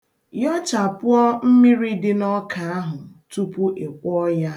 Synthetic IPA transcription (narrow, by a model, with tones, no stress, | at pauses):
jɔ˦t͡ʃa˨pʊ˦ɔ˦m̩˦mi˦ɾi˦dɪ˦nɔ˦kʰa˨a˦ɦʊ˨tu˦pu˦ʔe˨kʷɔ˦ja˦